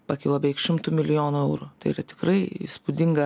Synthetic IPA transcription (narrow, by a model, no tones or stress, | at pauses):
pɐkʲɪlˠobʲɛɪkʃʲɪmt̪uːmʲɪlʲɪjoːnʊɛʊɾʊt̪ɐɪiːɾɐt̪ʲɪ̥kɾɐɪspʊd̪ʲɪŋɡɐ